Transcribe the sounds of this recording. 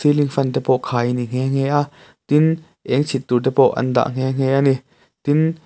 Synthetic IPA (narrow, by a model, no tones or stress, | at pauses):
siliŋfɐnt̪ɛpɔʔkʰaːjniŋ̥ɛŋ̥ɛːʔaʔ | t̪in | ʔɛŋt͡sʰit̪̚t̪ut̪̬ɛpɔʔɐ̰nd̪a̰ʔŋ̥ɛŋ̥ɛʔani | t̪in